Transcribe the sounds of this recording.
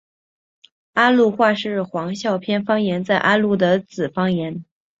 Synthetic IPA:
a˥lu˥˧xwa˥˧ʂɻ̩˥˩xwɑ˧˥ŋɕjɑ˥˩ʊpʰjɛ˥nfɑ˥ŋjɛ˧˥nt͡sa˥˩ɪʔa˥lu˥˩d̪ə˩t͡sɹ̩˨˩fɑ˥ŋjɛ˧˥n

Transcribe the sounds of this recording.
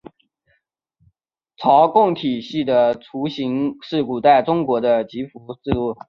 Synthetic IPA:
t͡sʰɑ˧˥ʊkʊ˥˩ŋt̪ʰi˨˩ɕi˥˩d̪ə˩ʈ͡ʂʰu˧˥ɕi˧˥ŋʂɻ̩˥˩ku˨˩t̪a˥˩ɪʈ͡ʂʊ˥ŋkwɔ˧˥d̪ə˧t͡ɕi˧˥fu˧˥t͡sɹ̩˥˧lu˥˩

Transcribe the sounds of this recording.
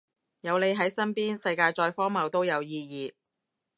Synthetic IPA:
jɐ˨˧wle˨˧jɦɐ˨˥jsɐ˥npiː˥nsɐ˧jkaː˧jt͡ʃɔː˧jfɔː˥ŋmɐ˨˧wt̪o˥wjɐ˨˧wjiː˧jiː˨˧

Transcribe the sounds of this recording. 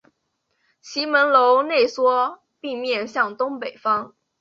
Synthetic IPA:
t͡ɕʰi˧˥mə˧˥nlo˧˥ʊne˥˩ɪswɔ˥ | pi˥˧mjɛ˥˧nɕjɑ˥˩ŋt̪ʊ˥ŋpe˨˩ɪfɑ˥ŋ

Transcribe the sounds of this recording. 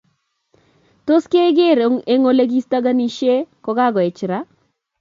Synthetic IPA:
to˦ske˦ɡe˦˨ɾo˦ŋe˦ŋo˦le˦ɡi˦st̪a˦ɡa˦ni˦ʃe˦kɔ˦ɡa˦ɡɔ˨ɛ˨t͡ʃɾa˦

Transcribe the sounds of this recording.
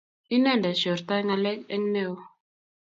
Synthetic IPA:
i˦nɛ˦˨nda˨ʃɔ˨ɾt̪a˦ŋa˨lɛ˦kɛ̰˦ŋ˦ne˦˨o˦

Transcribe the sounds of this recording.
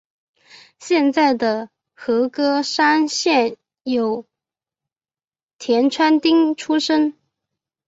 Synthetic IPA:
ɕjɛ˥˧nt͡sa˥˩ɪd̪ə˩ | xɤ˧˥kɤ˥ʂa˥nɕjɛ˥˩n | jo˨˩ʊ | t̪ʰjɛ˧˥nʈ͡ʂʰwa˥nt̪i˥ŋʈ͡ʂʰu˥ʂə˥ŋ

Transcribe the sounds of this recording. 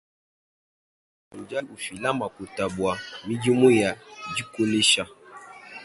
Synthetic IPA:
mu˨d͡ʒa˦lu˨fi˨la˦ma˨ku˨ta˨bwa˨mi˦d͡ʒi˦mu˦ja˨d͡ʒi˦ko˦ne˦ʃa˦

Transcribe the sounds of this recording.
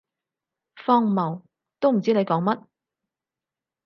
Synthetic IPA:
fɔː˥ŋmɐ˨˩w | t̪o˥wm̩˨˩t͡siː˥ne˨˧jkɔː˨˥ŋmɐ˥t̚

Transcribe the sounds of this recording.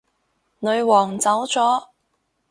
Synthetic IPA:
nɵ˨˧ɥwɔː˨˩ŋt͡sɐ˨˥wt͡sɔː˨˥

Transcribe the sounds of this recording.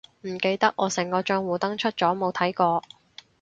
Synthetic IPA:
m̩˨˩ke˧jt̪ɐ˥k̚ʔɔː˨˧sɛ˨˩ŋkɔː˧t͡ʃœː˧ŋwuː˨˩t̪ɐ˥ŋt͡ʃʰɵ˥t̚t͡sɔː˨˥mo˨˧wt̪ʰɐ˨˥jkɔː˧

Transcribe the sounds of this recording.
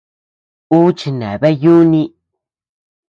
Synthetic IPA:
u˦t͡ʃi˧nḛ̃˨βe˦ju˦nĩ˦

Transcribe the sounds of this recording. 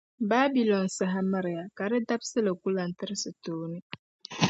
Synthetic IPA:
baː˦bi˨lɔ˨n˨sa˨ɦa˦ma˦ɾɪ˨ja˨ka˨ɾɪ˦da˦bsɨ˦la˨ku˦la˨n˨tɪ˦ɾɪ˦sɨ˨toː˦nɨ˦

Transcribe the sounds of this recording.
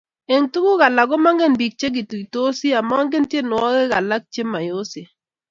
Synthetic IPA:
e˨ŋtu˦ku˦ɣa˨la˨ɡɔ˦ma˦ŋɡe˦˨nbi˨k̚t͡ʃe˦ɡɪ˨tu˨i˨to˦si˦a˨ma˦ɔ˦ŋɡe˦ntje˦nʊ˨ɔ˦ɡɛ˦ɣa˨la˦k̚t͡ʃe˦ma˨jo˦si˨

